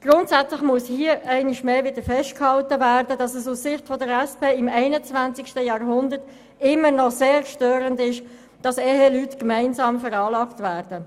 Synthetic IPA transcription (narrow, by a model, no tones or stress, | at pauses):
ɡ̥ʁʊntsæt͡slɪχmuəshiəɛɪnɪʃmeːvɪd̥əɾfɛʃt̚khɑltəvæːrdəd̥ɑsəsussɪχtfɔdəɾɛspeːɪmɛɪnət͡svant͡sɪkʃtəjɑːɾɦʊndəɾt | ɪmːənɔseːɾʃtøːɾəndɪʃ | d̥ɑsɛɦelytkmæɪnsɑːmfɛɾɑːlɑːktvæːɾd̥ə